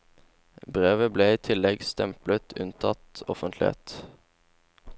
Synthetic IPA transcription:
bʁeːʋəbleːiːt̪ʰɪlɛɡst̪ɛmplət̪ʰʉ̰nt̪ʰɑt̪ɔfənt̪lɪḛːt̪

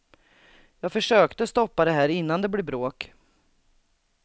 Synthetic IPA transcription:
jɑːɡfœʂøːkt̪əst̪ɔpːad̪ɛɦæːɾɪnːand̪ɛblɛbɾoːk

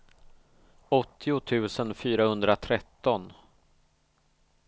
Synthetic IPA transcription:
ɔt̪ʰːɪʊt̪ʰʉ̟ːsənfyːɾahɵnd̪ɾat̪ʰɾɛt̪ːɔn

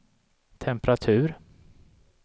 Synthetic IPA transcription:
t̪ʰɛmpɾat̪ʰʉ̟ːɾ

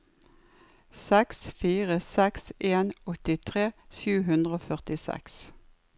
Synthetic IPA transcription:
sɛksfiːʁəsɛkseːnɔt̪ɪt̪ʰʁeːsʉːɦʉnd̪ʁəoːfœʁt̪ɪsɛ̰ks

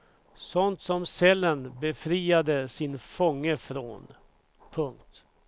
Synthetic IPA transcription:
sɔnt̪sɔmsɛlːənbɛfɾiːad̪əsɪnfɔŋːəfɾo̰ːn | pʰɵŋk̚t̪

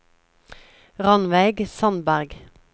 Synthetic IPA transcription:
ʁɑnʋæɪɡsɑnbæʁɡ

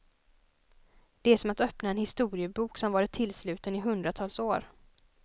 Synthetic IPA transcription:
d̪̥ɛæʂɔmat̪œpnaɛnhɪst̪uːɾɪəbuːksɔmvɑːɾɪt̪ʰːɪlːslʉ̟ːt̪ənɪɦɵnd̪ɾat̪ʰɑːlsoːɾ

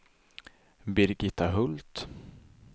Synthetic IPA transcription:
bɪɾɡɪt̪ːaɦɵlt̪

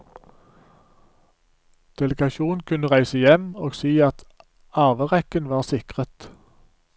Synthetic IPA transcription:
d̪̥ɛləɡɑʃuːn̩kʰʉnəʁæɪsəjɛmoːɡsiːɑt̪ | ɑːʋəʁɛkənʋɑːʁsɪkʁət̪

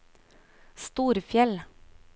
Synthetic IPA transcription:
st̪uːɾfjɛl

